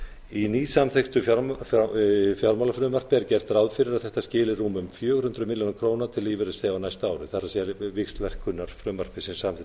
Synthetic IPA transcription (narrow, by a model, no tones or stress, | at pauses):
iniːsamθext̪ʏa | fjawɾmawlafɾʏːmvar̥pɪaɾcɛr̥t̪ɾawðfɪɾɪɾaðθɛht̪ascɪːlɪruːmʏmfjœːɣʏɾhʏnt̪ɾʏmɪljownakʰɾoːwnaɾt̪ʰɪlːiːvɪɾʏsθɛːawnajst̪aːwɾʏθaɾasɛvɪkst̪lvɛr̥kʰʏnːaɾ̥fɾʏːmvar̥pɪsɪnsamθ